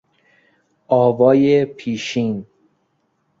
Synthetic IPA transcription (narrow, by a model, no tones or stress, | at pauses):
ʔɒːvɒːjepʰiːʃiːn